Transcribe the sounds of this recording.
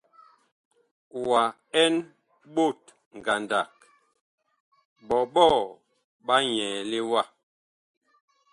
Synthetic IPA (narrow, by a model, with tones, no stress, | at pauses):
wa˨ | ɛ˦n | ɓo˦˨t̚ | ŋ˨ɡa˨nda˨k̚ | ɓɔ˨ɓɔ˦˨ | ɓa˦ɲɛː˨le˦wa˦˨